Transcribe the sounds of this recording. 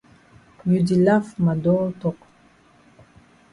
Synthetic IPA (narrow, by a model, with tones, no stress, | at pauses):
ju˨di˨la˦fma˨dɔ˦tɔq